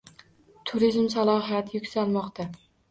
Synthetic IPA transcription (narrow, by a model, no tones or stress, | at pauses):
t̪ʰʊɾizmsalˠɒɦijat̪ʰjʊkʲsalˠmɒqt̪ʰa